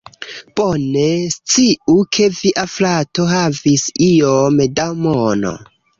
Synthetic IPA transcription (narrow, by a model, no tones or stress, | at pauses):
b̥onest͡siukʰe̞viʔaflato̞ɦavisiomedawmono̰